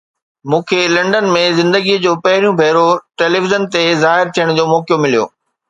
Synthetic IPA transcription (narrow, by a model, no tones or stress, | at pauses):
mũːkʰelɐ̃ɳɖənmẽzɪ̃nd̪əɡid͡ʑoːpɐɦɪɾijũbʱeːɾoʈeːleʋɪzənt̪ezaːɦɪɾt̪ʰijəɽ̃d͡ʑoːmɔːkjomɪlijo̰ː